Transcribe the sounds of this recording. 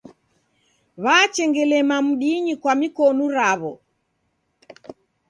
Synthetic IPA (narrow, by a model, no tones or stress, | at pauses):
βaːt͡ʃɛŋɡɛlɛmam̩ɗiɲikwamikɔnuɾaβɔ